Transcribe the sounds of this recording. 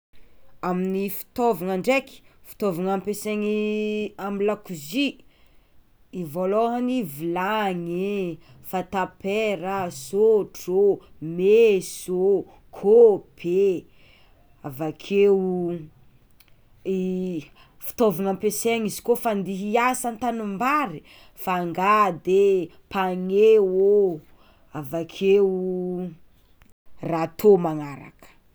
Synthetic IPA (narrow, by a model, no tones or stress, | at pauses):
aminifi̥t̪ovaŋaɳɖ͡ʐeki̥fi̥t̪ovaŋampeseŋiamilakuzi | ivoloɦanivilaŋe | fat̪apeɾazoʈ͡ʂo | mezo | kʰob̥e | avakʰew | fi̥t̪ovunampeseŋizi̥kofand̪iɦiasant̪anumbaɾi | faŋɡad̪e | paŋewo | avakʰe | rat̪ʰomaŋaɾa̰kə̥